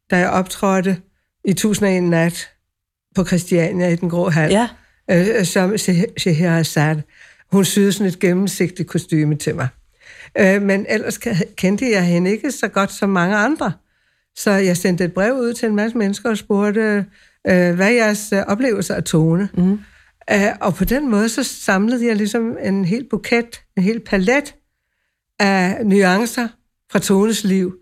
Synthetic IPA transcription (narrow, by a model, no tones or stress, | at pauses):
d̥æjɑ̈ɪʔɒ̽b̥t͡sʰʁɒd̥ə | it͡sʰṵːsn̩ɒe̝̰ːnːæd̥ | pʰɒ̽kʰʁɛsd̥iɛnjæid̥enɡ̥ʁɔ̰ːɦæl̰ | sɒ̽mɕeɦeæsæd̥ | hunsyːð̩ˠsɒ̽ne̝d̥̚ɡ̥emm̩se̝ɡ̥d̥id̥̚kʰo̝sd̥y̰ːmət͡sʰe̝mɑ̈ɪ | menʔel̰ɐsʰkʰend̥əjɑ̈ɪhe̝nəe̝ɡ̥əsɒ̽ɡ̥ɒ̽d̥sɒ̽mːɑ̈ŋəɑ̈nd̥ʁɐ | sɒ̽jɑ̈ɪsen̰d̥əe̝d̥̚b̥ʁɛʊuð̞̰ˠt͡sʰe̝enmæsəmenəsɡ̥ɐɒ̽sb̥o̝ɐd̥ə | ʋæjæɐsɒ̽b̥le̝ːʊl̩sɐæt͡sʰoːnə | ɒ̽pʰɒ̽d̥enmɔ̽ːðˠəsɒ̽sɑ̈mləð̩ˠjɑ̈ɪlisɒ̽me̝nɦe̝̰ːld̥̚b̥ukʰed̥e̝nɦe̝̰ːl̥pʰæled̥ | ænyɑ̈ŋsɐ | fʁɑ̈t͡sʰoːnəsliʊ̰